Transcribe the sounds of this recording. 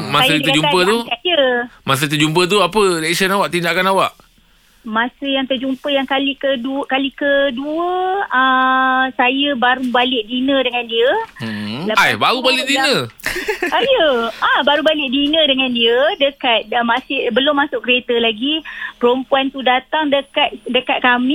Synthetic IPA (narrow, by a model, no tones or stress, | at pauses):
maasjəd̪əd͡ʒuapət̪ukaiəmas̬ət̪əd͡ʒumpət̪̬uapəɾɛksənawaʔt̪indaʔkanawaʔ | mãsəjaŋt̪ərd͡ʒumpəjaŋkalikədukalikəduəəsajəbaɾubalɪʔdinədəŋãndiə | laajbaɾubalɪʔdinə | ajəʔabaɾubalɪʔdinə̃dəŋandiədəkat̪̚masɪhbəlʊmːasʊʔkəɾet̪əlaɡipəɾompuant̪udat̪aŋdəkat̪̚dəkat̪̚kamĩ